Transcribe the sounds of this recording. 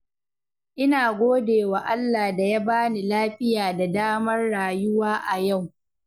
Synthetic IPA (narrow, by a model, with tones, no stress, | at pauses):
ʔɪ˦naː˨ɡʷoː˦deː˨wa˨ʔa˦lːa˨da˨ja˦baː˦ni˨laː˦ɸɪ˦jaː˨da˨daː˦mɐ˦rɽaː˨jʊ˦waː˦ʔa˨ja˦˨w